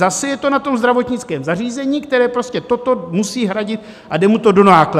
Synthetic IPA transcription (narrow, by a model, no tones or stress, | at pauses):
asɛjɛt̪o̞nat̪o̞mzd̪ɾavo̞t̪ɲɪt͡skɛːmzariːzɛɲiːkt̪ɛɾɛːpɾo̞scʲɛt̪o̞t̪o̞musiːɦɾaɟɪt̪̚ | ʔadɛmut̪o̞do̞naːkla